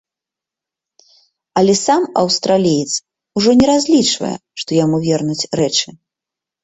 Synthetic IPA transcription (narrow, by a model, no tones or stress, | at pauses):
ɐlʲɛsamɐwst̪ɾalʲijit̪s | uʐɔnʲɛɾazʲlʲit͡ʂvɐ̰jɛ̰ʂt̪ɔjamuvʲɛrnut͡sʲrɛt͡ʂɨ